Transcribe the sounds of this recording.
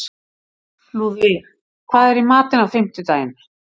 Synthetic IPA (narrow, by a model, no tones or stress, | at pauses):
luvɪ | kʰvaːðɛɾimaːt̪ɪnawfɪm̥t̪ɪt̪aːjɪmɪɾ̥